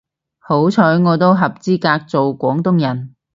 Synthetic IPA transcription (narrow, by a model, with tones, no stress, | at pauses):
ho˨˥wt͡sʰɔː˨˥jŋɔː˨˧t̪o˥wɦɐ˨p̚t͡siː˥kaː˧k̚t͡so˨wkʷɔː˨˥ŋt̪ʊ˥ŋjɐ˨˩n